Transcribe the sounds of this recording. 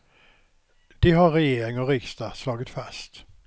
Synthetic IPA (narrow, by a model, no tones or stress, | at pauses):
d̪̥ɪɦɑɾɾɛjeːɾɪŋɔɾɪkst̪ɑslɑːɡət̪fast̪